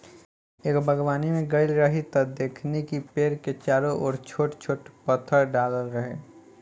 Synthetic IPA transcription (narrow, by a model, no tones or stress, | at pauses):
eːkbʱəɡwaːnimẽɡəɪlɾəɦit̪ɐd̪eːkʰnekipeːɾket͡ʃaːɾoʔɔːɾt͡ʃʰoːʈt͡ʃʰoːʈpət̪ʰəɾɖaːləlɾəɦeː